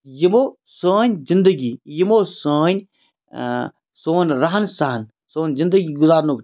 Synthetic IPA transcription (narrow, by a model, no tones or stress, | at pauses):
jimo | səːnʲzɪnd̪əɡijimoːsəːnʲ | soːnɾɐɦɐnsɐɦɐn | soːnʲzind̪əɡiɡʊzaːɾnok